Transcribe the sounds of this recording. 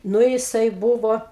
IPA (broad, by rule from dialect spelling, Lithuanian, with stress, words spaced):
ˈnʊ jɪˈsɐɪ ˈbuːʋoː